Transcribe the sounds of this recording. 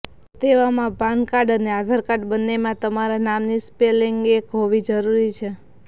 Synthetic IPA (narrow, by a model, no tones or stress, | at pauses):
t̪eʋamãbãnkaɖənead̪ʱaɾkaɖbənːemãt̪əmaɾanamnispeliŋɡekɦoʋid͡ʒəɾuɾit͡ʃʰe